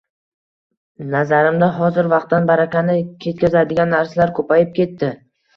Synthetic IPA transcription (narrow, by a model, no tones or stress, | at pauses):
nazaɾɪmd̪aɦɒzɪɾvɑq̚t̪ːanbaɾakʲanɪkʲʰe̞t̪̚kʲɪzad̪ɪɡʲanːaɾsalaɾkʰɵpajɪp̚kʲe̞t̪ːɪ